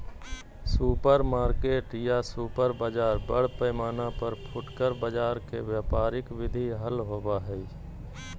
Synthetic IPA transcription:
suːpəɾmaːɾkeːʈjasuːpəɾbəd͡ʒaːɾbəɽ̤pəːmaːnapəɾpʰʊʈkəɾbəd͡ʒaːɾkʰḛʋjaːpaːɾɪkʋɪd̪ʱiɦəlɦoːbaːɦɛi

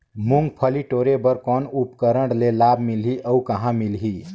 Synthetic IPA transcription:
muŋɡ̚pʰəliʈoɾebəɾkɔnupkəɾəɳɽlelabmilɦiʔəukəɦãmilɦi

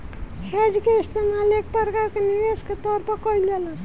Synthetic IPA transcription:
hʰed͡ʒkeist̪emalek̚pəɾkaɾkeniʋesket̪ɔɾpʌkʌiljela

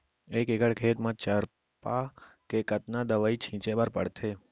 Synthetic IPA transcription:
ekekəɽkʰet̪mãt͡ʃəɾ | pakekət̪nad̪əʋait͡ʃʰĩt͡ʃebəɾpə̰ɽt̪ʰe

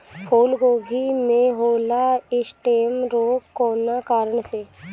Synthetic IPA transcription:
pʰoːlɡoːɡʱimẽɦoːlaɪsʈeːmɾoːkkoːnakaːɾəɳse

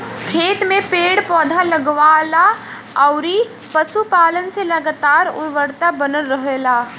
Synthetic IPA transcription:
kʰeːt̪mẽpeːɽpɔːd̪ʱaləɡʋaːla | ɔʊɾi | pəsupaːlənseləɡat̪aːɾʊ̰ɾʋəɾt̪abənəlːəɦelaː

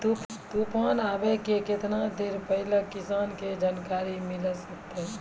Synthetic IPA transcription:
t̪upt̪upaːnaːbɛkekɪt̪nad̪eɾpəɦɪləkɪsaːnked͡ʒaːnkaːɾimɪləsək̚t̪eɦ

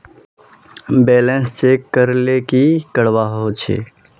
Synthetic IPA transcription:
beːlə̃nst͡ʃeːkəɾlekikəɽʋaːɦot͡ʃʰḛː

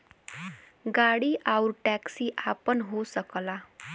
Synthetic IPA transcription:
ɡaɽiʔawɾʈæksiʔapənɦosəkla

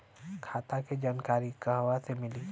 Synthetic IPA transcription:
kʰaːt̪aked͡ʒaːnkaːɾikaɦwasemɪli

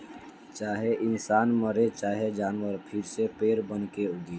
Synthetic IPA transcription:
t͡ʃaːɦeʔɪnsaːnməɾet͡ʃaːɦed͡ʒaːnwəɾpʰɪɾsepeːɾbənkeʊɡ̪iː

